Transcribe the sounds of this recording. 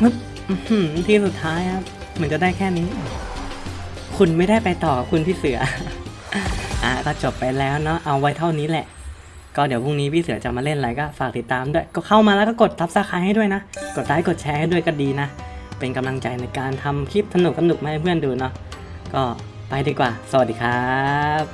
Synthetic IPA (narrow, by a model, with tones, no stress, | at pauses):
ʔɯ˦˥p̚ | ʔht̪ʰiː˥˩su˨˩t̪ʰːaː˦˥jkʰa˦˥p̚ | mɯ˧˦nt͡ɕa˨˩da˥˩jkʰɛː˥˩ni˦˥ʔa˧˩ | kʰu˧nma˥˩jda˥˩jpa˧jt̪ɔː˨˩kʰu˧npʰiː˥˩sɯ˨˩˦ɐ˦ | ʔaː˨˩kɔː˥˩t͡ɕo˨˩pːa˧jlɛː˦˥wnɔ˦˥ʔa˧wːa˦˥jt̪ʰa˥˩wniː˦˥lɛ˨˩ʔ | kɔː˥˩di˩˦wpʰu˥˩ŋniː˦˥pʰiː˥˩sɯ˩˦t͡ɕa˨˩maː˧le˥˩nla˨˩jkɔː˥˩faː˨˩k̚t̪i˨˩t̪ːaː˧mdu˥˩əjkɔ˥˩kʰa˥˩wmaː˧lɛː˧˦˥wkɔː˥˩ko˨˩t̪̚sa˦˥p̚saː˧˥˩kʰaː˧jha˥˩jdu˥˩əjna˦˥ʔko˨˩t̪̚daː˧˥˦jko˨˩t̪̚t͡ɕʰɛː˧ha˥˩jdu˥˩əjkɔː˥˩diː˧na˦˥pe˧nka˧mla˧ŋt͡ɕa˧jna˧jkaː˧nt̪ʰa˧mkʰi˦˥˩p̪̚sa˧nu˨˩k̚sa˧nu˨˩k̚maː˧˩a˧pʰɯ˥˩ənduː˧nɔ˦˥ | kɔː˥˩ | pa˧jdiː˧kwaː˨˩sa˧wa˩t̪̚diː˨˧˩kʰaː˦˩˦